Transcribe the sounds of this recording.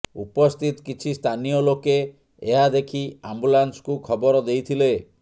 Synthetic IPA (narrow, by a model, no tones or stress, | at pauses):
upɔst̪ʰit̪ɔ̥kit͡ʃʰist̪ʰanijɔlokeː | ɦad̪ekʰiambulansɔ̥kukʰɔbɔɾɔd̪ejt̪ʰile